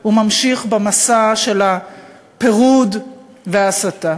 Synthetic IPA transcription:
humamʃiχbemasaʃe̞la | peʁud | veasat̪a

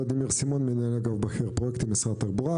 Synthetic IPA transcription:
od̪imiʁsimonminaleɡalbaxiʁpʁojekt̪imisʁat̪aʁbuʁa

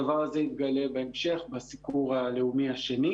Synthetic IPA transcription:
avaʁazeit̪̚ɡale̞beemʃe̞χbasipuʁale̞umiaʃeni

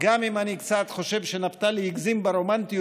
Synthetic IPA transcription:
ɡamimanikt͡sat̪χo̞ʃe̞vʃe̞napt̪alehiɡzimbeɾo̞mant̪i

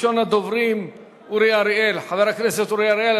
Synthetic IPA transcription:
onad̪ovɾim | uɾiaɾiʔelħaveɾhakneset̪uɾiaɾiel

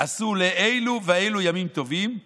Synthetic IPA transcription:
ʔasuleʔejluveejlujamimt̪o̞vim

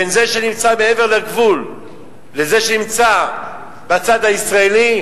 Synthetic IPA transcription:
enze̞ʃenimt͡sameeve̞ʁlaɡvulː | eze̞ʃenimt͡sa | bat͡sad̪haisʁaeli

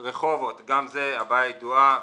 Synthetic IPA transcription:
ʁeχovot̪ɡamzeabaid̪ua

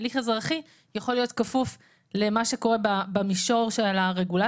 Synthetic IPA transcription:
liχezʁaχi | jaχo̞lijo̞tkafuf | lemaʃe̞ko̞ʁe̞babamiʃo̞ʁʃelaʁe̞ɡula

